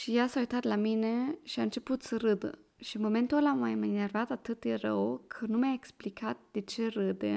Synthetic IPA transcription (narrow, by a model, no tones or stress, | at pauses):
ʃijasaojt̪at̪lamineʃiant͡ʃeput̪səɾɨd̪ə | ʃimoment̪olamajmənervat̪at̪ɨt̪̚d̪erəwkʰənumeaeksplikʰat̪̚d̪̥et͡ʃeɾɨd̪ḛ